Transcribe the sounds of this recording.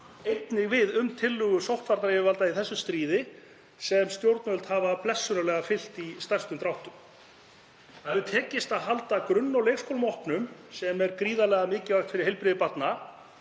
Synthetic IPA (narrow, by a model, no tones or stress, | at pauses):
ejt̪nɪɣvɪðʏmt̪ʰɪlːʏɣʏsowht̪faɾt̪aɾɛvʏvalt̪aiθɛsːʏst̪ɾiːðɪ | sɛmst̪jowɾt̪nvœlt̪haːvaplɛsːʏnalɛɣafɪl̥t̪ist̪ar̥st̪ʏmt̪ɾawht̪ʏm | avʏt̪ʰɛːcɪst̪aðɦalt̪akɾʏnːawlejskʰowlmɔhpnʏmsɛmɛɾkɾiːðalɛɣamɪːcɪvajxt̪fɪɾɪɾ̥hejlpɾɪðɪpat̪na